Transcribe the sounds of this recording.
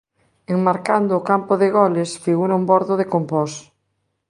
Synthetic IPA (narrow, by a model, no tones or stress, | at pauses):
eŋmaɾkand̪ʊːkampʊðeɣɔlesfiɣuɾɐumbɔɾðʊðekompɔs